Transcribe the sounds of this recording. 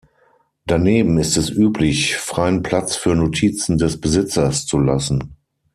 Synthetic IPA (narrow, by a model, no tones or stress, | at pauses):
d̥aneːbm̩ɪstɛsʔyːplɪçfʁ̥aɪənpʰl̥at͡sfyːɐnotʰiːt͡sn̩dɛsb̥əzɪt͡sɐst͡sulasn̩